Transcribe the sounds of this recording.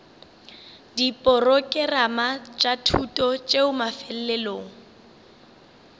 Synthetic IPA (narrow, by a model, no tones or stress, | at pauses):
dipʼɔrɔkʼɛramat͡ʃʼatʰutʼɔt͡ʃʼeʊmafɛl̩lɛloːŋ̩